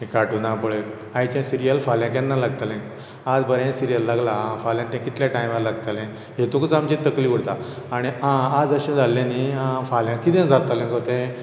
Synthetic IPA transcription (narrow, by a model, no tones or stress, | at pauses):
ɦĩkaʈunapəɭek̪ | ait͡ɕãsiɾijəlfaljãkjãnːalaɡt̪alɛ̃k | ad͡zbəɾɛ̃siɾijəlːaɡlaãfaljãnt̪ɛ̃kit̪ljaʈaj̃mʋaɾlaɡt̪alɛ̃ | ɦet̪ukut͡samt͡ɕit̪ːəkliːʋuɽt̪a | aɽ̃iãad͡zəɕãd͡zʱalːãniɦãfaljãkit̪ɛ̃nd͡zʱat̪alɛ̃kɔt̪ɛ̃